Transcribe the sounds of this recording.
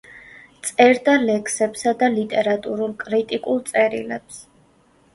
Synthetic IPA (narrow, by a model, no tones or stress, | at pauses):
t̪sʼɛɾd̪alɛkʰsɛpsad̪alit̪ʼɛɾat̪ʼuɾulˠkʼɾit̪ʼikʼulˠt̪sʼɛɾḭlɛps